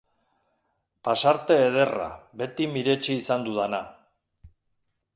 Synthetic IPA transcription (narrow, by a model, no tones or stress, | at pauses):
pasaɾt̪e̞ːð̞e̞ra̰be̞t̪imiɾe̞t͡ʃiːsand̪uðana